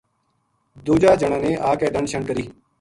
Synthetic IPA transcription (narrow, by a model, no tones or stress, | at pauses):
d̪oːd͡ʒaːd͡ʒəɽãːneːʔaːkɛːd̪əɳʃəɳkəɾiː